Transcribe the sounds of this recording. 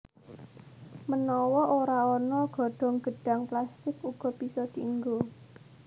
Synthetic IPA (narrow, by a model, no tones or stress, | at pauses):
mənɔwɔʔoɾaɔnɔɡ̥ɔ̤ɖ̥ɔ̤ŋɡ̥ə̤ɖ̥ä̤ŋplast̪ɪkuɡ̥ɔ̤pisɔd̪̥iəŋɡo